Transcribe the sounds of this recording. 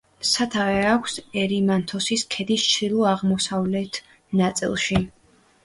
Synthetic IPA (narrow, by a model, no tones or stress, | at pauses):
sat̪ʰavɛakʷʰsɛɾimant̪ʰɔsiskʰɛd̪ist͡ʃʰilˠɔaʁmɔsavlɛt̪ʰ | nat̪sʼḭlˠʃi